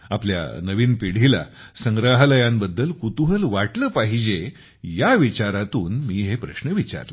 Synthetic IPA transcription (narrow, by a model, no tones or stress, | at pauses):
aplja̰nəʋiːnpiɽ̤ila̰ | səŋɡɾaɦləjãmbəd̪ːəlkut̪uɦəlʋaʈləːpaɦid͡ʑe | jaʋit͡ɕaɾat̪uːnmiːɦepɾəɕnəʋit͡ɕa̰ɾlə